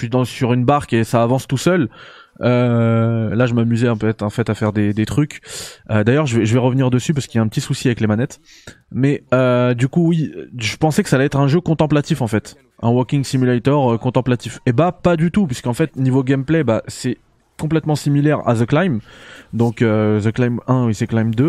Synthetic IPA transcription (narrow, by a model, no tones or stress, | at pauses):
ʃɥid̪ɑ̃syʁynbaʁkesaːvɑ̃st̪usœlø | laʒəmamyzɛɑpøt̪ɛt̪χɑ̃fɛt̪afɛʁd̪ed̪et̪χykʲød̪ajœʁʒəvɛʒəvɛʁəvniʁd̪əsypaʁsə̥kiljaɛ̃pət̪isusiavɛklemanɛt̪ | mɛød̪ykuwiʒəpɑ̃sɛkə̥salɛɛt̪χɛ̃ʒøkɔ̃t̪ɑ̃plat̪ifɑ̃fɛt̪ | ɛ̃wɔʁkʲiŋsimylat̪œʁøkɔ̃t̪ɑ̃plat̪ifebapad̪yt̪upɥiskɑ̃fɛt̪onivoɡʲɛmplɛbasɛ | kɔ̃p̬lɛt̪mɑ̃similɛʁa̰zəklajmd̪ɔ̃køzəklajmɛ̃wisɛklajmd̪ø